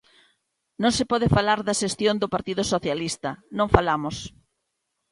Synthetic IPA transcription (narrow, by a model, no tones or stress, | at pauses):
nõŋsɪpɔðɪfalaɾðɐʃest̪jond̪ʊpaɾt̪iðʊsoθjalist̪ɐnõŋfalamʊs